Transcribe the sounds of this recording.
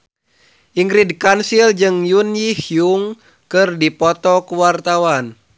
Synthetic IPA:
ʔiŋɡɾidkansild͡ʒɨŋjunjihjuŋ | kɨrdipɔt̪ɔkuwart̪awan

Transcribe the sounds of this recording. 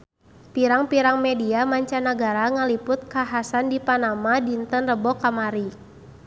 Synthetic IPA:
piɾaŋpiɾaŋmɛdiamaɲt͡ʃanaɡaɾaŋalipʊt̪̚kaɦasandipanamadint̪ənrəbɔkamaɾi

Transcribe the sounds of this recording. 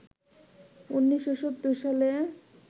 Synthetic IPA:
unːiʃːoʃot̪ːuɾʃale

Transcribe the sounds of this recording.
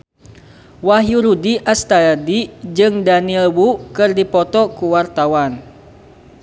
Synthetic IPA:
waɦjuɾudiʔast̪adid͡ʒɨŋdanilwukɨrdipɔt̪ɔkuwart̪awan

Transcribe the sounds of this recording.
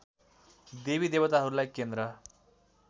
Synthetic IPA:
d̪eβid̪ebʌt̪aɦʌɾulajkend̪ɾʌ

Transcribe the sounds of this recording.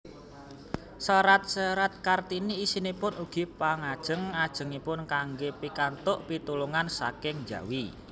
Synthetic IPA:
səɾat̪̚səɾat̪̚kart̪iniːsinipʊnuɡ̥i̤paŋad̥ʒ̥ə̤ŋad̥ʒ̥ə̤ŋipʊnkaŋɡepikant̪ʊʔpit̪uluŋansa̰kɪŋd͡ʒa̤̰wi

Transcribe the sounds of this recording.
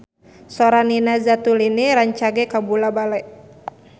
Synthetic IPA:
sɔɾaninazat̪uliniɾaɲt͡ʃaɡɛkabulabalɛ

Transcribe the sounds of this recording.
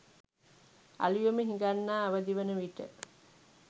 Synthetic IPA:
a̰lijuməɦĩŋɡanːaːɐʋɐd̪iʋənəʋiʈə̰

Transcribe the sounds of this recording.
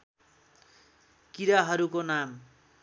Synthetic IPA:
kiɾaɦʌɾukonam

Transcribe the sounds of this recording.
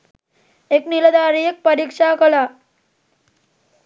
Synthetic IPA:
ekniləd̪aɾiek̚pəɾikʂakəla

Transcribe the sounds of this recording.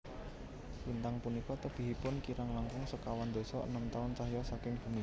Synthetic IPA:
wint̪aŋpunikɔt̪əb̥i̤ɦipʊnkiɾaŋlaŋkʊŋsəkawand̪o̤sɔə̰nəmt̪aʊnt͡ʃaɦjɔsakɪŋb̥ṳni

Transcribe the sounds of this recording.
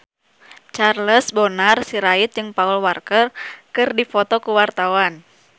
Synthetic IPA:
t͡ʃarləsbonarsiɾait̪̚d͡ʒɨŋpaulwarkərkɨrdifɔt̪ɔkuwart̪awan

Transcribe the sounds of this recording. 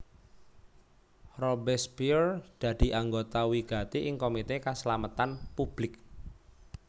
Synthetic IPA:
robɛspird̪̥ä̤d̪̥i̤ʔaŋɡot̪awiɡ̥a̤t̪iʔɪŋkomit̪ekaslamət̪anpub̥lɪk̚

